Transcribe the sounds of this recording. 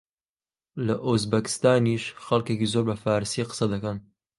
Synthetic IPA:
lɐʔuzbɐkɪ̥st̪aːniːʃxɐlkekizoːɾbɐfaːɾsiːqə̥sɐd̪ɐkɐn

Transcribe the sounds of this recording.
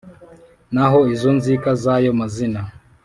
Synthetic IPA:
naɦoizonzikazajomazina

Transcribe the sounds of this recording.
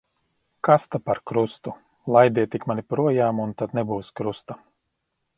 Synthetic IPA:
kast̪apaɾkɾust̪u | lˠajd̪ʲijt̪ikmanʲipɾuɔjaːmunt̪ad̪nɛbuːskɾust̪a

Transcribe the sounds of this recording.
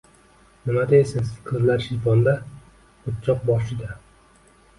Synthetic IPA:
nɪmad̪esɪnz̥qʰɨzlaɾʃijfɒnd̪a | ʊt̪̚t͡ʃʰɒq̚bɒʃɪd̪a

